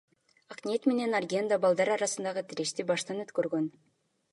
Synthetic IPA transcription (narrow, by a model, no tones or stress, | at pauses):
ɑqnʲet̪me̞ne̞narɡʲe̞nd̪abɑlˠd̪ɑɾɑɾɑsɯnd̪ɑʁɯt̪ʰiɾeʃt̪ibɑʃt̪ɑnø̞t̪køɾɡøn